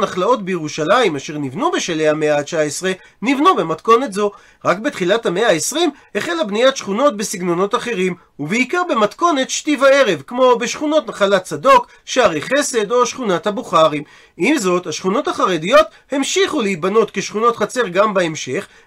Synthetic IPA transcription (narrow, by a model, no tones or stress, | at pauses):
naχlao̞tbejeʁuʃalaimaʃe̞ʁnivnube̞ʃelejhame̞aat͡ʃaesʁe | nivnube̞mat̪ko̞ne̞tzo̞ | ʁakbetχilathame̞aesʁimheχe̞labnijatʃχuno̞t̚besiɡno̞no̞taχe̞ʁim | uveikaʁbe̞matko̞ne̞t̪ʃtivae̞ʁe̞vkmo̞beʃχuno̞tnaχalat͡sado̞k | ʃaʁeχe̞se̞do̞ʃχunathabuχaʁim | imzo̞thaʃχuno̞thaχaʁe̞dijo̞t̪ | he̞mʃiχulehibano̞tke̞ʃχuno̞tχat͡se̞ʁɡambaemʃe̞χ